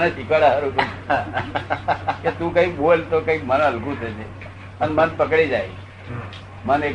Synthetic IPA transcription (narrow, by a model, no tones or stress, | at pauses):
nesikaɽaɦəɾũk̪uã | ket̪ũkə̃ik̚boelt̪okə̃ik̚məñãəlkũt̪ʰet͡ʃʰe | ənmənpəkɽid͡ʒaj | məne